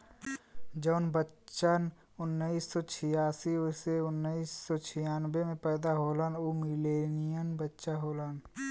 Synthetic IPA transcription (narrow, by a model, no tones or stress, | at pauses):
d͡ʒɔːnbətt͡ʃan | ʊnːəiːsːɔːt͡ʃʰɪjaːsiʊseʊnːəiːsːɔːt͡ʃʰɪjaːnbemẽpɛːd̪aɦoːlanomɪleːnijənbətːʃaɦoːlan